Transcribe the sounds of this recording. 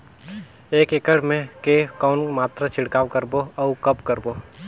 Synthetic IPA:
eːkekəɽmẽkekɔːnmaːt̪ɾat͡ʃʰɪɽkaːwkəɾboɔːkəpkəɾboː

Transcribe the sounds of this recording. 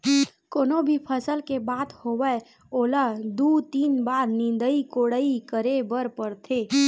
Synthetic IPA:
koːnobʱipʰəsəlkebaːt̪hoːwə | oːlad̪uːt̪iːnbaːɾnɪ̃nd̪əikoːɽəikəɾebəɾpəɾt̪ʰeː

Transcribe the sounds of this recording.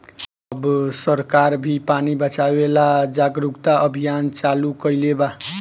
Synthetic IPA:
ʌbsəɾkaɾbʱipanibət͡ʃawelad͡ʒaɡɾukt̪aʔəbʱijant͡ʃalukəjleba

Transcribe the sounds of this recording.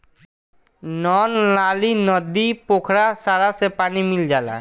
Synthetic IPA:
nɔːnlaːlinɔd̪ipokʰɾasaːɾasepaːnimɪld͡ʒaːla̰ː

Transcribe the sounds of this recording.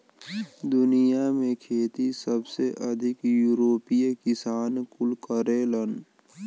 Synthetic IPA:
d̪ʊnijamẽkʰeːt̪isəbseʔəd̪ʱɪkjuːɾoːpijkɪsaːnkʊlkəɾeːlən

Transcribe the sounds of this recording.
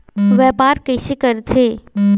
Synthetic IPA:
ʋɛːpaːɾkəjʃekəɾt͡ɕʰeː

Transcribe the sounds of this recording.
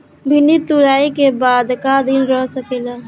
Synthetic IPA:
bʱɪnit̪uɾaːikebaːd̪kad̪inɾɔɦsəkeːlaː

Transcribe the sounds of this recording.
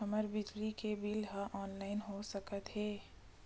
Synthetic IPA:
ɐməɾbɪd͡ʒlikebiːlɦaʔɔːnlaːɪnɦosɐkət̪ɦɛː

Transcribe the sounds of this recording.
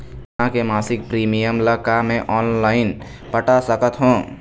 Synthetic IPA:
ãkemasik̚pɾimijəmləkamẽʔɔnlaɪn | pəʈasəkət̪ɦõ

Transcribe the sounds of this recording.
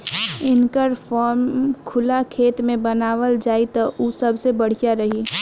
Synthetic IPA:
ɪnkəɾfɔːɾmkʰʊlakʰeːt̪mẽbɐnaːʋəld͡ʒaːit̪ɐʔusɐbʱsebɐɽ̤ijaɾɐɦiː

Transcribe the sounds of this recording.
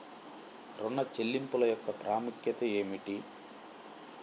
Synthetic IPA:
ɾonːɐt͡ʃelːimpulɐjɔkːɐpɾʔaːmukjɐt̪ɐeːmiʈi

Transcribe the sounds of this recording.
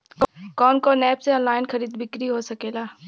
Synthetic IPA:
kkɔːnkonɛːpseɔ̃nlaːɪnxɐɾiːd̪bɪkɾiɦosɐkeːlaː

